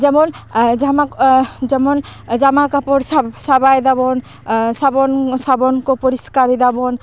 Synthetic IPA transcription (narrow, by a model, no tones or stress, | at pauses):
d͡ʒɛmɔn | amad͡ʒamɔnd͡ʒamakapɔɾsabajd̪abɔn | sabɔnsabɔnkopɔɾiskaɾid̪abɔn